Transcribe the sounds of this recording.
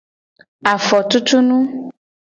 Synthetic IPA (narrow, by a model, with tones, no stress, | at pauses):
a˨fɔ˨t̪u˦t̪u˦nũ˦